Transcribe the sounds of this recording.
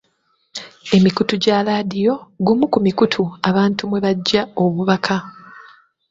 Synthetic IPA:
e̞mikutuɟalaːdijo̞ɡumukumikutʰuaβaːntumwe̞βaɟːao̞βuβakʰa

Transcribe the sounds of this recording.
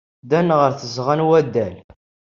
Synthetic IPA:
d̪ænʁəɾθəzʁanwæd̪ːæl

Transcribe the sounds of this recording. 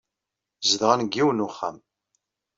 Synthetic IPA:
zðʁanɡːiwənuχːæ̰m

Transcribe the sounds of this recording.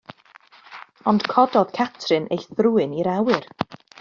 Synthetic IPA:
ɔnd̥kʰɔdɔð̥kʰatʰrɨnʔḛjθruːɨniɾawɨɾ

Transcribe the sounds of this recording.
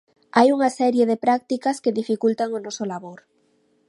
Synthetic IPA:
ajuŋasɛɾjeðepɾak̚t̪ikaskeðifikult̪aŋonɔsolaβoɾ

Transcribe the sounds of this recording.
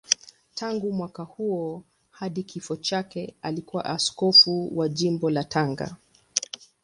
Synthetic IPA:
tʰaŋɡumwakahuɔ | haɗikʰifɔt͡ʃakɛalikuwa̰ʔaskɔfuwaʄimbɔlatʰaŋɡa̰

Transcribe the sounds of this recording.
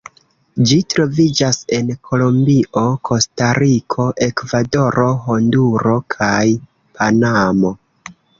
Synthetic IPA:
d͡ʒitɾo̞vid͡ʒase̞nkʰo̞lombiʔo̞kʰo̞staɾikʰo̞ʔe̞kvado̞ɾʔo̞ɦo̞nduɾo̞kʰaj | pʰanamo̞

